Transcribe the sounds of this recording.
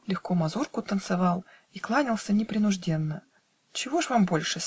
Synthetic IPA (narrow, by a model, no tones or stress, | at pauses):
lʲɪxkomɐzurkʊt̪ənt̪sɨvalˠ | iklˠanʲɪlˠsʲənʲɪpɾʲɪnʊʐdʲe̞nːə | t͡ɕɪvo̞ʐvambo̞lʲʂɨ